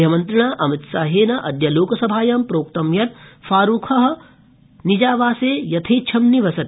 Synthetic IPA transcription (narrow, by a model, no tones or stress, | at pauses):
ɐmɐnt̪ɾɐɳ̃aːʔɐmit̪saːɦeːnɐʔɐd̪jɐloːkɐsɐbʱaːjaːmpɾoːk̚t̪ɐmjɐt̪̚faːɾuːkʰɐɦɐ̆ | nid͡ʒaːʋaːseːjɐt̪ʰiːt͡ʃʰɐmniʋɐsɐt̪